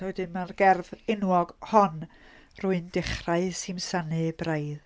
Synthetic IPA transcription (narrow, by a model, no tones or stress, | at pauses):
ɔdɨmarɡɛrvɪnwɔɡhɔnruɨndɪχraɨsimsanɨbrajð